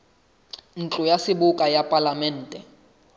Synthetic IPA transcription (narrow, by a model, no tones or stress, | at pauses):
n̩t͡ɬʼɔjasibukʼajapʼalamɛn̩ːtʼɛ